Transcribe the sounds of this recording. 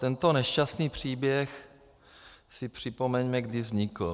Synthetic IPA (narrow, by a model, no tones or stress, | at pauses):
t̪ɛnt̪o̞nɛʃcast̪niːpr̝̥iːbjɛx | sɪpr̝̥ɪpomɛɲmɛɡdivzɲikl̩